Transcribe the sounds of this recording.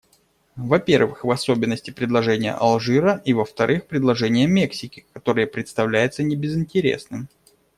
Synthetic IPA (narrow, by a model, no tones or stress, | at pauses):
vɐpʲe̞rvɨxvɐso̞bʲɪnːəsʲtʲɪpɾʲɪd̪lˠɐʐɛnʲɪjə̰ʔɐlˠʐɨɾəʔivəft̪ɐɾʔɨxpɾʲɪd̪lˠɐʐɛnʲɪjəmʲeksʲɪkʲɪkɐt̪o̞ɾɨjəpɾʲɪt̪st̪ɐvlʲæjɪt̪sənʲɪbʲɪzɪnʲtʲɪɾʲḛsnɨm